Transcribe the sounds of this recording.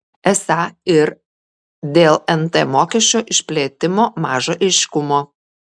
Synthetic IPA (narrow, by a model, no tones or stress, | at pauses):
ɛsɑɪɾ | d̪ʲeːlˠɛnt̪ɛmoːkʲɛʃʲt͡ʃʲoːʔɪʃʲpʲlʲeːt̪ʲɪmoːmɑːʒoːʔɛɪʃʲkʊmoː